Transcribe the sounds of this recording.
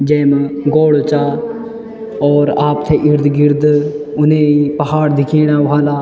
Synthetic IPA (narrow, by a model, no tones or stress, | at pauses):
d͡ʒɛːmɡoːɽot͡ʃaː | ɔːɾaːp̚t̪ʰeʔɪɾd̪ɡɪɾd̪ʊnẽipəɦaːɾd̪ɪkʰeːɽ̃aːʋaːlaː